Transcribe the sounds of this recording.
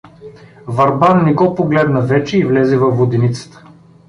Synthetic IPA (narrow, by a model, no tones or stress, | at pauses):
vɐɾbannɛɡɔpoɡlɛd̪nɐvɛt͡ʃɛivlɛzɛvɐvːod̪ɛnit̪sə̥t̪ə̥